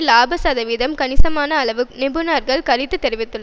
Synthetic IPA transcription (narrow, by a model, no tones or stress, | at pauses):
laːbɐsɐðɐʋɪðɐmkɐnɪsɐmaːnɐːɭɐʋɯnɪbɯnaːɾɣɐɭkɐɻɪt̪ːɯt̪ːɛɾɪʋɪt̪ːɯɭːɐ